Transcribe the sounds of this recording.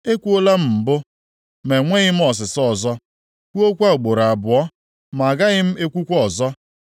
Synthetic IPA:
e˦kʷu˦o˦la˦m̩˨m̩˨bʊ˦ | me˨ŋʷe˦ɣɪ˦m̩˦ɔ˨s̬ɪ˨sɔ˨zɔ˦ | kʷu˦o˦kʷa˦o˨ɡ͡bo˨ɾa˨bʊ˨ɔ˦ | ma˨ɡa˦ɣɪ˦m̩˦e˦kʷu˦kʷɔ˨zɔ˦

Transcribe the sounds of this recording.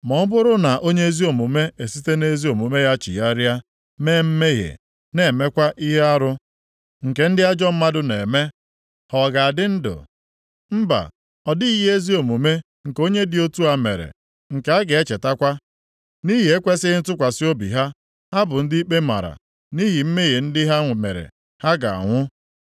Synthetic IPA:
mɔ˨˦bʊ˦ɾʊ˦na˨ʔo˦ɲe˦e˦zi˦o˨mu˨me˦e˨si˦te˦ne˦zi˦o˨mu˨me˦ja˦t͡ʃḭ˨ja˦ɾja˦ | me˦m̩˦me˦ɦḛ˨ | ne˨me˦kʷa˦ʔi˦ɦe˦a˦ɾʊ˦ | ŋ̩˨ke˨n̩˦dɪ˦a˦d͡ʒɔ˦m̩˦ma˦dʊ˦ne˨me˦ | hɔ˨ɡa˨a˨dɪ˦n̩˦dʊ̰˨ | m̩˦ba̰˨ | ɔ˨dɪ˦i˦je˦zi˦o˨mu˨me˦ | ŋ̩˨ko˦ɲe˦dɪ˦o˦tu˦a˨mḛ˨ɾḛ˨ | ŋ̩˨ke˨˦a˦ɡɪ˨e˦t͡ʃe˨ta˦kʷa˦ | ni˦ɦi˨e˦kʷe˦sɪ˦n̩˦tʊ˦kʷa˨sɪ˦o˦bḭ˨ɦa˦ | ha˦bʊ˨n̩˦dɪ˦i˦k͡pe˦ma̰˨ɾa̰˨ | ni˦ɦi˨m̩˦me˦ɦe˨n̩˦dɪ˦ɦa˦ŋ˨me˨ɾḛ˨ | ha˦ɡa̰˨a̰˨ŋʷʊ˦

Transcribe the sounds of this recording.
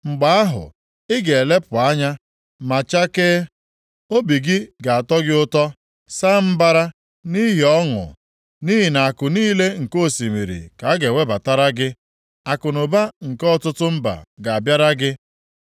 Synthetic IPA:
ŋ͡m̩˨ɡ͡ba˦a˦ɦʊ̰˨ | ɪ˦ɡe˨e˨le˦pʊ˨a˦ɲa˦ | ma˨t͡ʃa˦ke˦ | o˦bi˨ɡɪ˦ɡa˨a˨tɔ˦ɡɪ˦ʊ˦tɔ˦ | sa˦m̩˦ba˦ɾa˦ | ni˦ɦi˨ɔ˦ŋʊ̰˨ | ni˦ɦi˨na˨a˨kʊ˨niː˦le˦ŋ̩˨ko˦˨si˨mḭ˨ɾḭ˨ka˨a˦ɡe˨we˦ba˨ta˦ɾa˦ɡɪ˦ | a˨kʊ˨nʊ˨ba˦ŋ̩˨kɔ˦˨tʊ˦tʊ˦m̩˦ba̰˨ɡa˨a˨bja˦ɾa˦ɡɪ˦

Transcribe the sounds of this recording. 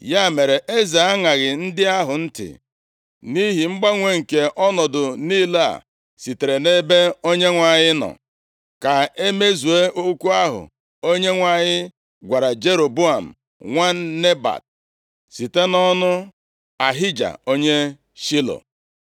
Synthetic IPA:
ja˦˨me˨ɾe˨ʔe˦ze˨a˦ŋa˨ɣɪ˨n̩˦dɪ˦a˦ɦʊ˨n̩˦tɪ̰˨ | ni˦ɦi˨ŋ͡m̩˦ɡ͡ba˦ŋʷe˦ŋ̩˨ke˨ʔɔ˦nɔ˨dʊ˨ni˦la̰˦˨ | si˨te˨ɾe˨ne˦be˦o˦ɲe˦ŋʷa˨ɲɪ˦nɔ̰˨ | ka˨e˦me˦zu˨e˦ʔo˦ku˦a˦ɦʊ̰˨ | o˦ɲe˦ŋʷa˨ɲɪ˦ | ɡʷa˨ɾa˨d͡ʒe˦ɾo˨bu˦a˨m̩˨ | ŋʷa˦ne˦ba̰˨d̚ | si˨te˦nɔ˦nʊ˦ | a˨ɦɪ˦d͡ʒa̰˨o˦ɲe˦ | ʃi˦lo̰˨

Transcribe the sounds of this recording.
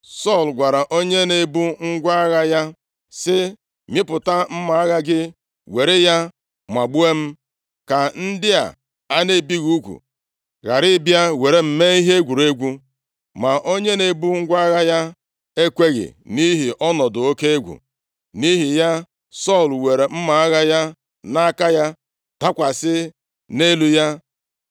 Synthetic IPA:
sɔ˦˨lɡʷa˨ɾa˨ʔo˦ɲe˦ne˨bu˦ŋ̩˦ɡʷa˦ɣa˦ja˦ | sɪ˦ | mɪ˦pʊ˨ta˦m̩˦ma˨a˦ɣa˦ɡɪ˦ | we˨ɾe˦ja˦ | mʷa˨ɡ͡bu˦e˦m̩˦ | ka˨n̩˦dɪ˦a̰˨ | a˦ne˦˨bi˦ɣu˦kʷṵ˨ | ɣa˨ɾɪ˦bja˦we˨ɾe˦m̩˨me˦i˦ɦe˦ɡʷu˨ɾe˦ɡʷu˦ | ma˨ʔo˦ɲe˦ne˨bu˦ŋ̩˦ɡʷa˦ɣa˦ja˦ | e˦kʷe˦ɣɪ̰˨ni˦ɦi˨ʔɔ˦nɔ˨dʊ˨o˦ke˦e˦ɡʷṵ˨ | ni˦ɦi˨ja˦ | sɔ˦˨lwe˨ɾe˨m̩˦ma˨a˦ɣa˦ja˦ | na˦ka˦ja˦ | ta˦kʷa˨sɪ˦ | ne˦lu˦ja˦

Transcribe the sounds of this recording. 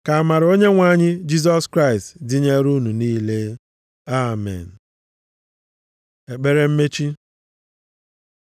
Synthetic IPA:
ka˨a˨ma˨ɾo˦ɲe˦ŋʷa˦ɲɪ˦d͡ʒi˦z̬ɔ˦skɾa˦˨ɪ˨stdɪ˦ɲe˦ɾu˦nu˨niː˦le˦ | a˦mɛ̰˨n̩˨ | e˨k͡pe˦ɾe˦m̩˦me˦t͡ʃi˦

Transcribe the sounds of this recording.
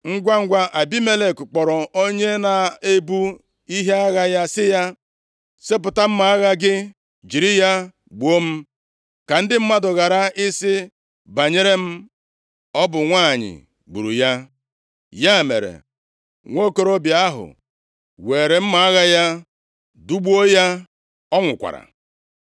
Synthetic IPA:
ŋ̩˦ɡʷa˦ŋ̩˦ɡʷa˦ʔa˨bi˦me˦le˨kk͡pɔ˨ɾɔ˨o˦ɲe˦na˨e˦bu˦ | i˦ɦe˦a˦ɣa˦ja˦sɪ˦ja˦ | se˦p̬ʊ˨ta˦m̩˦ma˨a˦ɣa˦ɡɪ˦ | d͡ʒi˨ɾi˦ja˦ | ɡ͡bo˦m̩˦ | ka˨n̩˦dɪ˦m̩˦ma˦dʊ˨ɣa˨ɾa˦ɪ˦sɪ˦ | ba˨ɲe˦ɾe˦m̩˦ | ɔ˦bʊ˨ŋʷaː˦˨ɲɪ̰˨ | ɡ͡bṵ˨ɾṵ˨ja˦ | ja˦˨mḛ˨ɾḛ˨ | ŋʷo˦ko˨ɾo˦bja˦ɦʊ̰˨ | we˨ɾe˨m̩˦ma˨a˦ɣa˦ja˦ | du˦ɡ͡bu˦o˦ja˦ | ɔ˦ŋʷʊ˨kʷa̰˨ɾa̰˨

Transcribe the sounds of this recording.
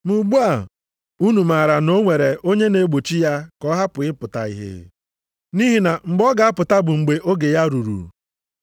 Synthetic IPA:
mu˨ɡ͡bu˦a˨ | u˦nu˨ma˨ɾa˨no˦ŋʷe˨ɾe˨ʔo˦ɲe˦ne˦ɡ͡bo˨t͡ʃi˦ja˦kɔ˦ɦa˦pʊ˨ɪ˦pʊ˨ta̰˨ḭ˦ɦḛ˦ | ni˦ɦi˦na˨ŋ͡m̩˨ɡ͡bɔ˦ɡa˨a˦pʊ˨ta˦bʊ˨ŋ͡m̩˨ɡ͡be˨ʔo˦ɡe˨ja˦ɾu˨ɾṵ˨

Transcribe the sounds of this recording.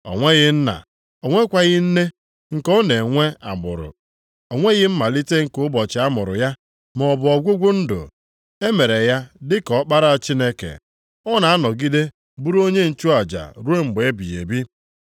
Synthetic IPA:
o̰˨ŋʷe˦ɣɪ˦n̩˦na̰˨ | o˨ŋʷe˦kʷa˨ɣɪ˦n̩˦ne˦ | ŋ̩˨kɔ˦ne˨ŋʷe˦a̰˨mʊ̰˨ɾʊ̰˨ | o˨ŋʷe˦ɣɪ˦m̩˦ma˨li˦te˦ŋ̩˨kʊ˦bɔ˨t͡ʃɪ˨a˦mʊ˨ɾʊ̰˨ja˦ | m˨ɔ˨bʊ˨ɔ˨ɡʷʊ˦ɡʷʊ˦n̩˦do̰˨ | e˦me˨ɾe˨ja˦dɪ˦kɔ˨˦k͡pa˦ɾa˦a˨t͡ʃi˦ne˦kḛ˨ | ɔ˦na˨a˦nɔ˨ɡi˦de˦ | bu˦ɾo˦ɲe˦n̩˨t͡ʃu˦a˨d͡ʒa̰˨ɾu˦e˦mŋ͡m̩˨ɡ͡be˨e˦bḭ˨jḛ˨bi˦

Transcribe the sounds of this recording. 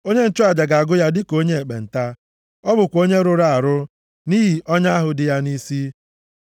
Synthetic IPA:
o˦ɲe˦n̩˦˨t͡ʃʊ˦a˨d͡ʒa˨ɡa˨a˨ɡʊ˦ja˦dɪ˦ko˦ɲe˦e˨k͡pḛ˨n̩˨ta˦ | ɔ˦bʊ˨kʷo˦ɲe˦ɾʊ˦ɾa˨a˨ɾʊ˦ | ni˦ɦi˨ʔɔ˦ɲa˦ɦʊ˨dɪ˦ja˦ni˦si˦

